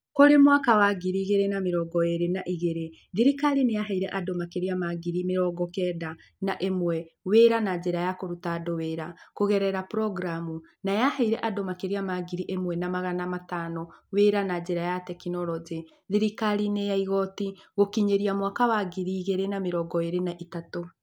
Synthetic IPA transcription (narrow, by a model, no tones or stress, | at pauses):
koɾemwakawaɣiɾiɣeɾenameɾɔɡɔeɾenaʔiɣeɾe | ðiɾikaɾinejaɦaiɾɛʔadomakeɾiamaɣiɾimeɾɔɡɔkɛda | naʔemwɛweɾanad͡ʒeɾajakoɾutadoweɾakoɣɛɾɛɾapɾɔɡɾamu | najahaiɾɛʔadomakeɾiamaɡiɾiʔemwɛnamaɣanamatanɔweɾanad͡ʒeɾajatɛkinɔɾɔd͡ʒe | ðiɾikaɾinejaiɣɔtiɣokiɲeɾiamwakawaɡiɾiːɣeɾenameɾɔɡɔeɾenaʔitato